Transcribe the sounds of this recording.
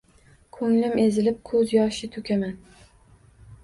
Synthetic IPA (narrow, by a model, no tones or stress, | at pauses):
kʰɵŋlɪme̞zɪlɪp̚kʰɵzjɒʃɪt̪ʰɵkʲʰaman